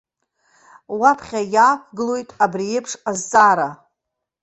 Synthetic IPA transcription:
wapʰχʲajaːkʷʰɡɨlo̞jtʼabriepʰʂazt͡sʼaːɾa

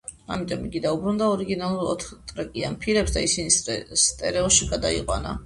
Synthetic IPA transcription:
amit̪ʼɔmiɡid̪aubɾund̪aɔɾiɡinalˠuɾɔ̰t̪ʰt̪ʼɾakʼianpʰiɾɛpsd̪a̰isinist̪ʼɛɾɛɔʃiɡad̪aḭqʼwa̰na̰

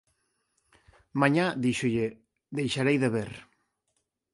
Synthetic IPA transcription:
mãɲaðiʃʊʎe | d̪ejʃaɾejðeβeɾ

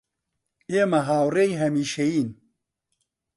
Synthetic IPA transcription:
eːmɐɦaːwrejɦɐmiːʃɐjiːn

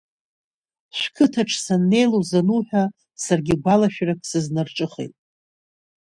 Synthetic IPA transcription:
ʃʷkʰɨtʰaʈ͡ʂʰsanːe̞jlozanuħᶣa | sarɡʲɪɡʷalaʃᶣrakʼsɨznarʈ͡ʂʼɨχḛjtʼ

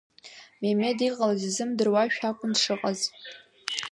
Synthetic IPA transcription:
meme̞diqʼalazizɨmdɨrwaʃᶣakʷʰʼʊndʂɨqʼaz

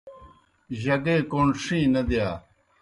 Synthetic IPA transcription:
ʑɐɡeːkoɳʂĩːnɐd̪jaː

